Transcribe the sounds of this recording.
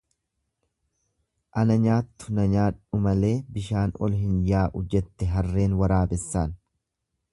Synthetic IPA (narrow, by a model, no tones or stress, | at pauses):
ʔɐnɐɲaːt̪ːʊnɐɲaːᶑʊmɐle̞ːbɪʃaːnɔ̰lhɪnjaːʔʊd͡ʒːɛt̪ːɛɦɐrːe̞ːnwɐɾaːbɛsːaːn